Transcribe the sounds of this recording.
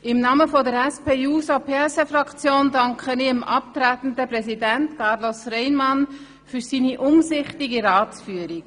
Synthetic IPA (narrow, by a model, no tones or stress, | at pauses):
ɪmnɑməfɔdəɾɛspeːuːsopʰesɛfrɑkt͡sjoːndɑŋkχəniəmʔɑp̚t̪ɾætn̩dəprɛzidæntkʰɑɾlosrɛɪnmɑn | fyɾsiːniʔʊmsɪχtiɡiɾɑːt͡sfyːəɾiɡ